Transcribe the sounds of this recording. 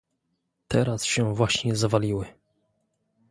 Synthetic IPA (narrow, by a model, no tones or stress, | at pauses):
t̪ʰɛɾasɕɛvwaɕɲɛzavalʲiwɘ